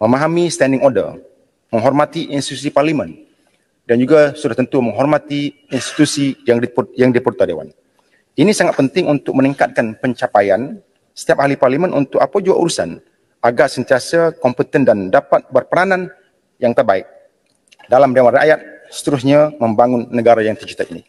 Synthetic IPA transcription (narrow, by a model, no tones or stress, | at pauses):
məmaɦamist̪ɛndɪŋɔrdə̰r | məŋɦɔrmat̪iʔinst̪it̪usiparlimɛn | dand͡ʒuɡasudaht̪ənt̪uməŋɦɔrmat̪iː | nst̪i̥t̪usijaŋjaŋdipurt̪adewa̰n | inisaŋat̪̚pənt̪ɪŋʔunt̪ʊk̚məniŋkat̪̚kanpəɲt͡ʃapajan | sə̥t̪iap̚haliparlimɛnʔunt̪ʊk̚apad͡ʒuaʔuɾusan | aɡaʔsənt̪iasakɔmpət̪əndandapat̪̚bərpəɾanãn | jaŋt̪ərbaɪk̚ | dalamdawaɾana̰jat̪̚sə̥t̪əɾusɲaməmbaŋʊnːəɡaɾajaŋt̪ərd͡ʒut̪ainḭ